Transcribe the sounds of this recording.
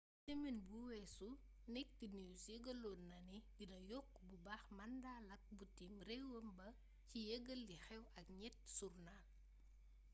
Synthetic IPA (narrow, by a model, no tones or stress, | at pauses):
tɛmɛnbuwɛsu | nɛk̚tinijusjeɡəlːɔːnːɐnibidɐjɔkː | bubaːxmɐndaːlɐk̚butimrɛwəmbɐ | cijeɡɐlːixɛwɐkɲɛt̚surna